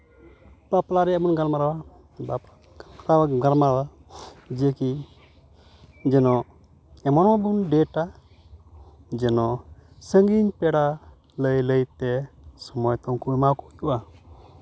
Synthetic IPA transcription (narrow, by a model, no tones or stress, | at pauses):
baplaɾɛɛbunɡalmaɾawa | bapa | ɾawaɡaɾmaɾwa | d͡ʒɛki | d͡ʒɛnɔ | ɛmɔnabunɖɛʈa | d͡ʒɛnɔsəŋɡiɲpɛɽa | ləjləjt̪ɛsɔmɔjt̪ɔŋkuɛmakɔt̪uʔa